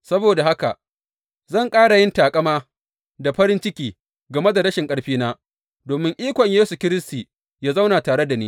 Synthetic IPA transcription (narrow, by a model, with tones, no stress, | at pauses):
sɐ˦boː˨da˨ha˦ka̰˨ | zɐ˦˨ŋkʼaː˦ɽa˨jɪ˦ntaː˨kʼɐ˦maː˦ | da˨ɸɐ˦ɾɪ˦nt͡ʃɪ˦kʲiː˨ | ɡɐ˨me˦da˨ɽɐ˦ʃɪ˨ŋkʼɐ˦ɽɸiː˦naː˦ | doː˨mɪ˦ŋʔiː˦kʷɔ˨ɲjeː˦su˨kʲɪ˦ɾɪ˦stiː˨ | jaː˦za˦wnaː˨taː˨ɽe˦da˨niː˦